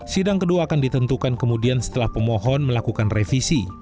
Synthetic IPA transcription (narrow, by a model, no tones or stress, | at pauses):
sidaŋkəduaːkandit̪ənt̪ukankəmudiansə̥t̪əlahpəmoɦɔnməlakukanrefisi